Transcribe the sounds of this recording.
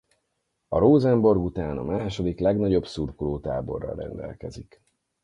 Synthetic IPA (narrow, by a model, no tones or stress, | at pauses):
ɒɾoːzɛmbo̞rɡut̪aːnɒ̰maːʃo̞d̪iklɛɡnɒɟo̞bsurkoloːt̪a̰ːbo̞̰rːɒ̰lːɛ̰nd̪ɛ̰lkɛzik